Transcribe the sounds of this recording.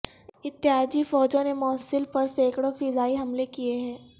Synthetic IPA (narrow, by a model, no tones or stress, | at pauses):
ɪt̪ːɪɦaːd͡ʒifɔːd͡ʒõnemɔːsɪlpɐɾseːkɽofiːzaːiɦɐmlekieɦɛ̃ː